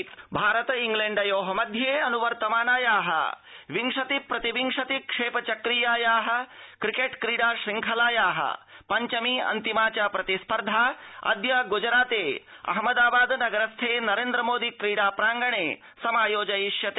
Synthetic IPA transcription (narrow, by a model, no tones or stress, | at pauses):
t̪bʱaːɾɐt̪iŋɡlẽɳɖɐjoːɦɐmɐd̪ʱjeɐnuʋɐɾt̪ɐmaːnaːjaːɦɐ̰ | ʋiŋʂɐt̪ipɾɐt̪iʋiŋʂɐt̪ikʂeːpɐt͡ʃɐkɾijaːjaːɦɐ̆kɾikeːʈkɾiːɽaːʃɾiŋkʰɐlaːjaːɦɐ̰ | pɐɲt͡ʃɐmiːɐ̰nt̪imaːt͡ʃaːpɾɐt̪ispɐɾd̪ʱaːɐ̰d̪jɐɡud͡ʒɾaːt̪eː | ɐ̰ɦmɐd̪aːbaːd̪nɐɡɐɾɐst̪ʰeːnɐɾẽːnd̪ɾəmoːd̪ikɾiːɽaːpɾaːŋɡɐɳ̃eː | sɐmaːjoːd͡ʒɐjiʃjɐt̪e